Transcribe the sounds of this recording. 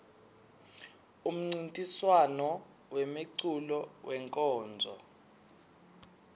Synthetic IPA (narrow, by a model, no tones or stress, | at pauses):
um̩ŋ͡ǀintʼiswanɔ | wemeǀulɔwʔɛŋkʼɔːnd͡zʱɔ̰